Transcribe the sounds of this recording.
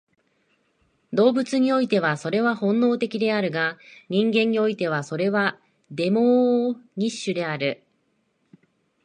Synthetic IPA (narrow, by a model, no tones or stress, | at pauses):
d̪o̞ːbɯ̟t͡sɨɲ̟io̞it̪e̞βaso̞ɾe̞β̞ahõ̞nːo̞ːt̪e̞kʲid̪e̞aɾɯ̟ɡaɲ̟ĩŋɡẽ̞ɲ̟ːio̞it̪e̞β̞aso̞ɾe̞βa | d̪e̞mo̞ːɲ̟iɕːɨd̪e̞aɾɯ̟